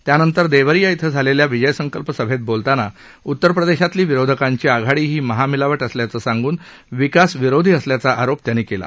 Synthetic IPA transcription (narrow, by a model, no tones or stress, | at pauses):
t̪janənt̪əɾd̪eʋəɾijait̪ʰəd͡zʱaleljaʋid͡ʑəjəsəŋkəlpəsəbʱet̪̚bolt̪ana | ut̪ːəɾpɾəd̪eɕat̪liːʋiɾod̪ʱəkaɲt͡ɕiːaɡʱaɽiːɦiːməɦamilaʋəʈəsljat͡səːsãŋɡuːn | ʋikasʋiɾod̪ʱiːəsljat͡saʔaɾop̚t̪janiːkela̰